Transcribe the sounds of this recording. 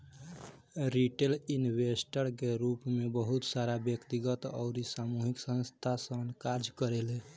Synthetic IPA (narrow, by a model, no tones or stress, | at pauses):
ɾiʈelinbesʈəɾkeɾupmebəɦut̪saɾabjəkt̪iɡət̪ɔ̰ʊɾisamuɦiksə̃nst̪ʰasənkad͡ʒkəɾele